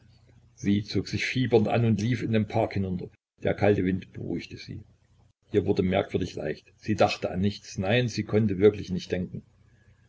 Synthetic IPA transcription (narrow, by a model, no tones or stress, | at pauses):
z̥iːt͡soːkz̥ɪçfiːbɐntʔa̰nʊntliːfɪndeːnpʰaɐkhɪnʊntɐ | d̥eːɐkʰaltəvɪntb̥əʁṵɪçtəz̥ḭː | ʔiːɐvʊɐdəmɛɐkv̥ʏɐdɪçla̰ɪçtz̥iːdaχtəanːɪçt͡snaɪnziːkʰɔntəvɪɐklɪçnɪçt̚d̥ɛŋkŋ̩